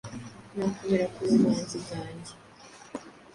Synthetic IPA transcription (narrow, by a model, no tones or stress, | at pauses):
nakumeɾakuzimaːnzikaːɲɟe